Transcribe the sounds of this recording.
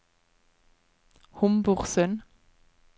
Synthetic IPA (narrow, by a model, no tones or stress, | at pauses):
hʊmbʊʁsœn